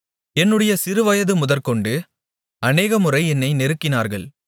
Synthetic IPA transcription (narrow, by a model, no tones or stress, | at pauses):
ɛnːɯɽɐjɐsɪɾɯʋɐjɐðɯmʊðɐɾkɔɳɖɯ | ɐneːɣɐmɯrɐɪɛnːɐɪnɛɾɯkːɪnaːɾɣɐ̰ɭ